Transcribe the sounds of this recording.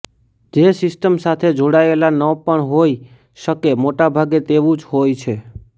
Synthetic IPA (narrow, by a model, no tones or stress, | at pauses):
d͡ʒesɪsʈəmsat̪ʰed͡ʒoɽaelanəpəɳɦoj | ʃəkemoʈabʱaɡet̪eʋũd͡ʒɦojt͡ʃʰe